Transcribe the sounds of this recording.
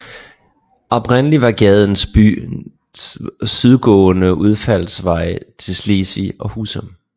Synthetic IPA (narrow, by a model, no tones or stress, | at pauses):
ɒ̽b̥ʁenəliʋɑ̈ɡ̥ɛð̞ˠn̩sb̥y̰ː | syðˠɡ̥ɔ̰̽ːnəʔuð̞ˠfæl̰sʋɑ̈ɪ̰t͡sʰe̝lsle̝ːsʋḭɒ̽huːsəm